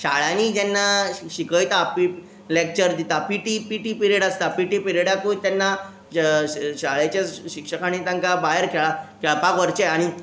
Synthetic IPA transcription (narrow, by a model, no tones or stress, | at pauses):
ɕaɭanid͡ʑɛnːaɕikəjt̪aːpi | lek̚t͡ɕəɾd̪it̪apiʈipiʈipiɾeɽast̪apiʈipiɾeɽakut̪anːa | ɕaɭat͡ɕaɕikʂəkañit̪ãŋkabaɦəɾkʰeɭakɛɭapakʋəɾt͡ɕeaɽ̃i